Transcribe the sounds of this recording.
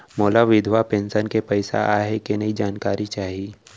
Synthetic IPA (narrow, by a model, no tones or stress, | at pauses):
mɔːlaʋɪd̪ʱʋapẽːnsənkepɐɪsa̰ʔaɦekenɐid͡ʒaːnkaːɾit͡ʃaːɦiiː